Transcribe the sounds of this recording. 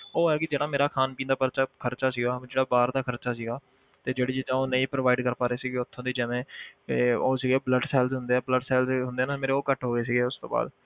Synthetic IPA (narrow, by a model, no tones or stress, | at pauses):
oːɦɛːkɪd͡ʒeːɽaːmeːɾaːkʰaːnpĩːnd̪aːpəɾt͡ʃaːkʰəɾt͡ʃaːsiːɡaːd͡ʒeːɽaːbaːɾd̪aːkʰəɾt͡ʃaːsiːɡaː | t̪eːd͡ʒeːɽiːd͡ʒɪt̪ãːoːnəĩːpɾoːʋaːɪɖkəɾpaːɾeːsiːɡeːʊt̪ʰːõːd̪iːd͡ʒɛːʋẽː | oːsiːɡeːbləɖsɛːlzɦʊnd̪eːɛːbləɖsɛːlzɦʊnd̪eːnaːmeːɾeːoːkəʈɦoːɡeːs̬iːɡeːʊst̪o̰ːba̰ːd̪